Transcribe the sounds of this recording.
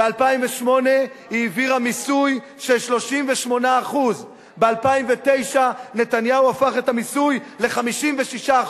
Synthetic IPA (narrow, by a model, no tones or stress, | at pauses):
bealpaimveʃmo̞ne̞ | hiːviʁamisuj | ʃeʃlo̞ʃimveʃmo̞naːχuz | be̞alpaimve̞t̪e̞jʃane̞t̪anjauafaχe̞tamisujle̞χamiʃimve̞ʃiʃa